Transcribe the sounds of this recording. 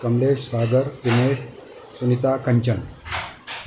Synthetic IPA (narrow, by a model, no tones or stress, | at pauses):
kəmleɕsaɡəɾt̪imeʈ | sunit̪akəɲt͡ɕən